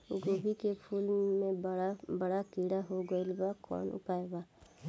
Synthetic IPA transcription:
ɡoːbʱikepʰuːlmẽabəɽakiːɽaɦoɡəɪlbakɔ̰ːnʊ̰paːebaː

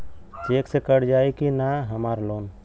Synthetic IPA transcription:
t͡ʃeksekəɽd͡ʒajkinaɦəmaɾloːn

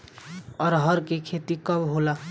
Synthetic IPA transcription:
ɔɾɦʌɾkekʰet̪ikʌbɦola

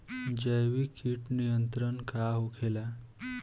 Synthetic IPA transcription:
d͡ʑəjʋikiːʈnijənt̪ɾənkaɦokʰela

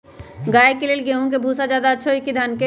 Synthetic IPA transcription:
ɡaːekeleːlɡeɦũk̬ebʱusad͡ʒaːd̪aəːt͡ʃʰoikid̪ʱanke

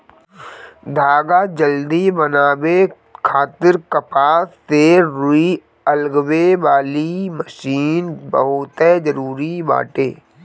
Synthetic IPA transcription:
d̪ʱaːɡad͡ʒəld̪ibənaːwe | kʰaːt̪ɪɾkəpaːsːeɾʊi | əlɡweʋaːliməʃiːnbəɦʊt̪ɛd͡ʒəɾuːɾiba̰ːʈeː

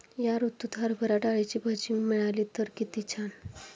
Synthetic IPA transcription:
jaɾut̪ːut̪ʰaɾbʱəɾaʈaɭit͡ɕibʱad͡ʑimiɭaliːt̪əɾkit̪it͡ɕʰan

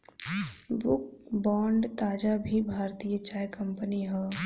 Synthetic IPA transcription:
bʊk̚bɔːɳɖt̪aːd͡ʒabʱibʱaːɾt̪ijət͡ʃaːjkɐ̃mpəniɦɛ

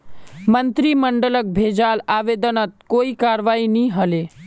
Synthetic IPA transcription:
mənt̪ɾiməɳɖələk̚bʱed͡ʒalaʋed̪ənət̪̚koikaɾʋainiɦəle

